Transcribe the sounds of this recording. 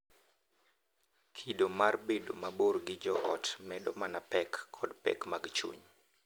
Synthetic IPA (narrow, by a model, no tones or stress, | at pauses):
kʰidomarbedo̰maborɡɪd͡ʒɔʔɔtmɛdomanapɛkʰːɔdpɛ̰kmaɡt͡ʃṵɲ